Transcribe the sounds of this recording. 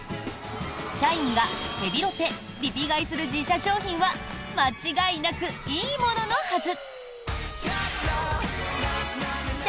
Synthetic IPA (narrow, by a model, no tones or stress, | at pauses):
ɕaĩŋɡat̪e̞bʲiɾo̞t̪e̞ | ɾʲipʲiɡaisɨɾɯ̟d͡ʑiɕaɕo̞ːçĩɰ̃βa | mat͡ɕiɡainakɯ̟iːmo̞no̞no̞hazɨ